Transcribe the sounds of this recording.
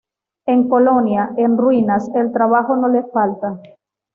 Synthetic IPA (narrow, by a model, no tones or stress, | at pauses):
e̞ŋko̞lo̞njaenrwinase̞lt̪ɾaβ̞axo̞no̞lesfalt̪a